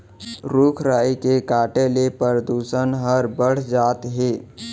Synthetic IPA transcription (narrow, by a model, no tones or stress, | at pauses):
ɾukʰɾaːikekaːʈelepəɾəd̪uːsənɦəɾbəɽ̤d͡ʒaːt̪ɦeː